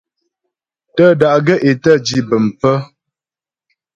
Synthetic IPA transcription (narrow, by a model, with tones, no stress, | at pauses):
tə˦da˨ʔɡə˦ʔe˨tə˦˨d͡ʒi˦bə˨m˨pə˦